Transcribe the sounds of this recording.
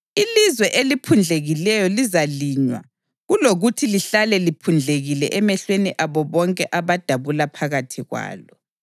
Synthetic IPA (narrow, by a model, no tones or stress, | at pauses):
ilizwɛʔelipʰund͡ɮʱeɣilɛjɔlizaliɲwa̰ | ɣuloɣutʰiliɬalɛlipʰund͡ɮʱeɣilɛʔɛmɛɬweniʔaβɔβɔŋkʼɛʔaβad̥ʱaβulapʰaɣatʰiɣwa̰ːlɔ